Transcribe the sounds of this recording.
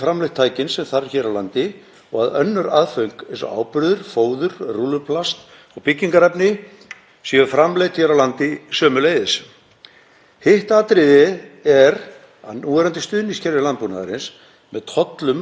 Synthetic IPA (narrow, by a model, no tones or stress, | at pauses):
fɾamlejt̪ʰːaːjcɪnsɛmθaɾçɛːɾawlant̪ɪ | ɔɣaðœnːʏɾaðfœɥŋ̥kḛ̃nsɔ̰ʔa̰ːwpɾʏðʏɾ̥foːwðʏɾ̥ruːlʏpʰlast̪ | ɔɣpɪcːiŋkaɾɛpnɪ | siʏfɾamlejt̪çɛːɾawlant̪ɪsœːmʏleːjðɪs | hɪht̪aːt̪ɾɪðɪɛɾ | a̰ðnuːɛɾant̪ɪst̪ʏːðniscɛɾvɪlanpuna̰ða̰ɾɪns | mɛðt̪ʰɔt̪lʏm